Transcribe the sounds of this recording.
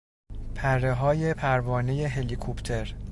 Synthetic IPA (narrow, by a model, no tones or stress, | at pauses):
pʰærːeɦɒːje̞pʰæɾvɒːne̞je̞ɦe̞likʰopʰt̪ʰe̞ɾ